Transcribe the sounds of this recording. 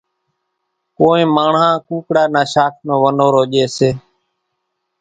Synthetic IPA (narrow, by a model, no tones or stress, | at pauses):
koːẽːmaːɳãːkuːkɽaːnaːʃaːt̪̚ʰnõːʋənoːɾoːʄeːseː